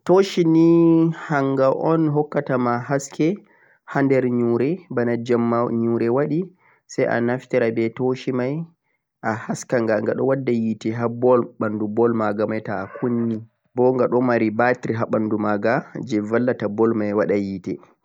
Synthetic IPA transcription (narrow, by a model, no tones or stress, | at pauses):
toʃinihaŋɡaʔɔnɦɔkːatamaɦaskɛ | handɛɾɲuɾɛbanad͡ʒamːaɲuːɾɛwaɗi | sajʔa̰naftɛɾabɛtoʃimaj | ʔahaskaŋɡaŋɡaɗɔwadːajitɛɦabɔlɓandubɔlmaɡamajtaːkunːi | bɔŋɡaɗɔmaɾibatiɾɦaɓandumaɡad͡ʒɛvalːatabɔlmajwaɗajitɛ